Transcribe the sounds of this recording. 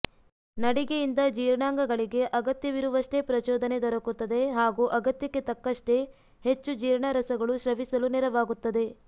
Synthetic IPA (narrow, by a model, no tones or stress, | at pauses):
nɐɽiɡejind̪ɐd͡ʒiːɾɳaːŋɡɐɡɐɭiɡe̞ʔɐɡɐt̪jɐʋiɾuʋɐʂʈe̞pɾɐt͡ʃɔːd̪ɐne̞d̪ɔɾɐkut̪ːɐd̪e̞ɦaːɡuʔɐɡɐt̪jɐkːe̞t̪ɐkːɐʂʈe̞ | het͡ʃːud͡ʒiːɾɳɐɾɐsɐɡɐɭuʃɾɐʋisɐluniɾɐʋaːɡut̪ːɐd̪e̞